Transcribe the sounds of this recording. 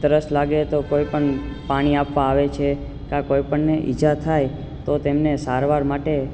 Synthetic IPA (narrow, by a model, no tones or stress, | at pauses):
t̪əɾəslaɡet̪okoipəɳpaɽ̃iapʋaːʋet͡ʃʰe | kãkoipəɳneʔḭd͡ʒat̪ʰaj | t̪ot̪emnesaɾʋaɾmaʈe